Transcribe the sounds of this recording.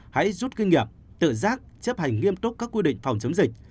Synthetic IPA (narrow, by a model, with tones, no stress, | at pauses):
ha̰˧˥jzu˦˥t̚ki˧ŋ̟ŋi˨˩əp̚ | t̪ɨ̰˧˨zaː˦˥k̚t͡ɕə˦˥p̚ha˨˩jŋ̟ŋi˧əmt̪ʊ˦˥k͡p̚kaː˦˥kːwi˧ɗḭ̈˧˨ŋ̟fa˨˩wŋ͡mt͡ɕə˨˦mŋ͡mzï˨˩k̚